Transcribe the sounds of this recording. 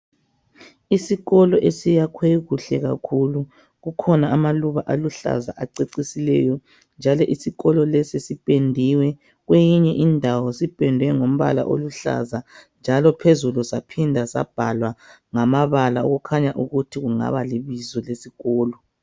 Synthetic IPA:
isiɣɔlɔʔesijakʰweɣuɬɛɣa̰kʰulu | ɣukʰɔnaːmaluβaʔaluɬa̰zaʔaǀeǀisilɛ̰jɔ | nd͡ʒʱalɔʔisiɣɔlɔlɛsesipʼendʱiwɛ | ɣwejiɲɛʔindʱawɔsipʼɛndʱwɛŋom̩βa̰la̰ʔo̰luɬa̰zand͡ʒʱalɔpʰezulusapʰindʱasa̰b̥ʱa̰lwaŋamaβalaoɣukʰaɲaʔuɣutʰiɣuŋa̰βaliβizɔlesiɣɔːlɔ

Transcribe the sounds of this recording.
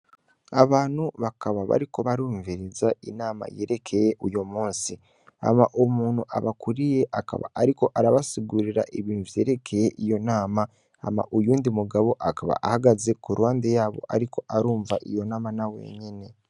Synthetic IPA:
aβaːn̥huβakaβaβa̰ɾiko̞βaɾuːɱviɾizainaːma̰jeːɾe̞kʰe̞je̞ʔujomuːnsi | a̰maʔomuːnhuʔa̰βakuɾije̞ʔaka̰βa̰ːɾiko̞ʔaɾaβasiɡuɾiɾa̰ʔiβiːnuvje̞ːɾe̞kʰe̞je̞ʔijo̞naːma | a̰ma̰ʔujuːndimuɡaβo̞ʔakaβa̰ʔahaɡaze̞kuɾwaːndejaːβo̞̰ʔaɾiko̞ʔaɾuːɱvaʔijo̞naːmanawe̞̰ɲene̞

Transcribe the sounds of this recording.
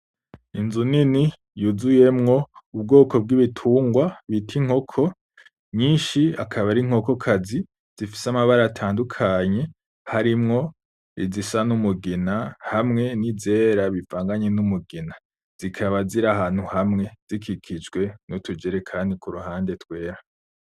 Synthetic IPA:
inzunini | juzuje̞mŋo̞ub̚ɡo̞ːkob̚ɡiβitʰuːŋɡwaβitʰiŋ̥ho̞kʰo̞ | ɲiːnʃiakʰaβaɾiŋ̥ho̞ko̞kʰazi | z̥ifi̥samaβaɾatʰaːndukʰaɲe̞ | haɾimŋo̞ | ḭzisanumuɡinahamŋe̞nize̞ːɾaβivaːŋɡaɲenumuɡina | z̥ikʰaβaziɾaɦaːn̥huhamŋe̞z̥ikʰikʰid͡ʒɡwe̞nutud͡ʒeɾekʰaːndikuɾuhaːnde̞twe̞ːɾa

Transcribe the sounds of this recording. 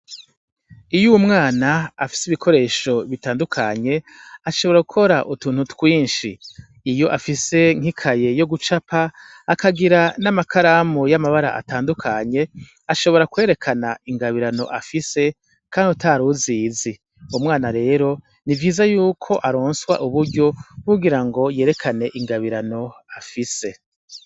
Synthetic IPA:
ijumŋaːnaafi̥siβikʰo̞ɾe̞ːʃo̞βitaːndukʰaɲe̞ | aʃo̞βoɾaɡukʰo̞ɾaʔutuːn̥hutwiːnʃḭː | jo̞ʔafise̞ŋ̥ikʰaje̞jo̞ɡut͡ʃapaː | kaɡiɾanamakʰaɾamujamaβaɾa̰ʔa̰taːndukʰaɲe̞ | aʃo̞βo̞ɾakwe̞ːɾe̞kʰanaiŋɡaβiɾano̞̰ʔafise̞ | kʰaːndutʰaɾuzizi | umŋwaːnaɾe̞ːɾo̞ | nivjiːzajuːkʰo̞ʔaɾoːnswa̰ʔuβuɾɟo̞uɡiɾaŋɡo̞je̞ːɾe̞kʰane̞ʔiŋɡaβiɾano̞afise̞

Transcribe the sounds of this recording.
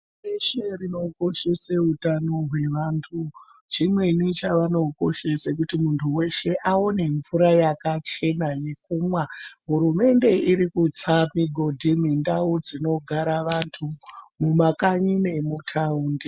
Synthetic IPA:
eʃerino̞ko̞ʃeseɦutano̞ɦwe̞ʋaːntʰut͡ʃimwe̞nit͡ʃaʋano̞ko̞ʃe̞sek̬utimuntʰuwe̞ʃe̞ʔao̞ne̞ɱvuɾajakat͡ʃe̞naje̞kuːmwaɦuɾume̞nde̞iɾikut͡samiɡʱo̞dʱimwindaud͡zino̞ɡʱaɾaʋantʰumumakaɲine̞mutʰauːndi

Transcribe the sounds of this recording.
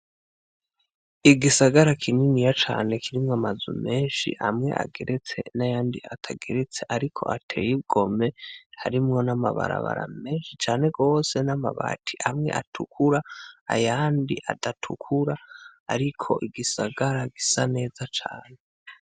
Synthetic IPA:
iɡisaɡaɾakʰininijat͡ʃaːne̞kʰiɾimŋamazṵme̞ːnʃḭʔamŋe̞̰ʔa̰ɡe̞ɾʔet͡se̞̰najaːndiatʰaɡeɾet͡se̞ʔaɾikʰo̞̰ʔatʰe̞jib̚ɡo̞me̞haɾimŋo̞namaβa̰ɾa̰βa̰ɾa̰me̞ːnʃit͡ʃaːne̞ɡo̞ːse̞namaβa̰tʰiʔamŋe̞̰atʰukʰuɾaa̰jaːndiʔa̰datʰukʰuɾaa̰ɾikʰo̞̰ʔiɡisaɡaɾaɡisane̞ːzat͡ʃaːne

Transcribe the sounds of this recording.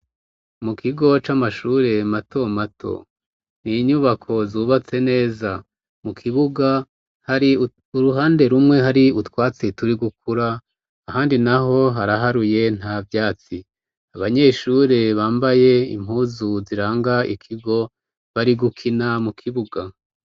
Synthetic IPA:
mukʰiɡo̞t͡ʃamaʃuːɾe̞matʰo̞matʰo̞̰ | niɲuβakʰo̞zuːβat͡se̞ne̞ːza | mukʰiβuɡa | haɾi | uɾuɦaːnde̞ɾumŋe̞ɦaɾiutwaːt͡setuɾiɡuk̚ʰuɾaː | haːndinaɦo̞ɦaɾaɦaɾuje̞n̥havjaːt͡si | aβaɲe̞ːʃuːɾe̞βaːmbaje̞ḭm̥huːzuziɾaːŋɡaḭkʰiɡo̞ | βaɾiɡukʰinamukʰiβuɡa

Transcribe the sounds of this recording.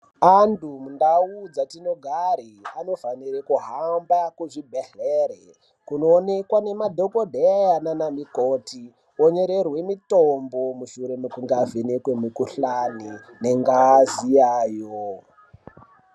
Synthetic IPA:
andumundaud͡zatino̞ɡʱaɾiano̞faniɾekuɦambakuʐibʱeɬeɾe | kuno̞ːne̞kwane̞madʱokodʱejananamikoti | oɲeɾe̞rwe̞mitombo̞muʃuɾe̞mukuŋɡavenekwemikuɬani | ne̞ŋɡazijaːjo

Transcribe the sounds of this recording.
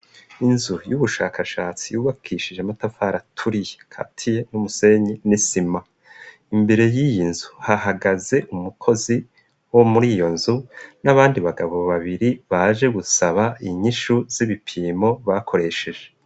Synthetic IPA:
inzujuβuʃaːkaʃaːt͡sijuːβakʰiʃiʒematafaɾatʰuɾijekʰa̰tʰije̞numuse̞ɲenisima | imbe̞ɾe̞jijinzuhahaɡaze̞ʔumukʰo̞zi | wo̞muɾiːjo̞nzunaβaːndiβaɡaβo̞βaβiɾiβaʒe̞ɡusaβaiɲiʃuz̥iβipʰiːmo̞βakʰo̞ɾe̞ʃe̞ʒe̞

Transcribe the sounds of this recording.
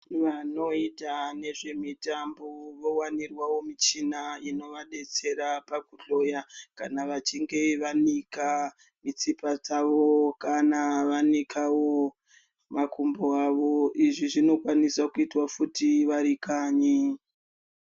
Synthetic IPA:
ʋano̞itane̞ʐe̞mitamboʋo̞wanirwawo̞mit͡ʃinaino̞ʋaɗe̞t͡se̞ɾapakuɬo̞jakanaʋat͡ʃiŋɡe̞ʋanika | mit͡sipad͡zaʋo̞kanaʋanikʰawo̞ | makʰumboaʋo̞ʔiʐiʐino̞kwanisakuitwafutiʋaɾikaːɲi

